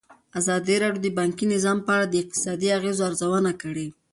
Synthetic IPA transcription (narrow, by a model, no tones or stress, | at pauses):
azɑd̪iɾɑɽjod̪əbɑŋkinɪzɑmpəaɽad̪əɪq̚t̪ɪ̥sɑd̪iaɣezoaɾzawanakəɽe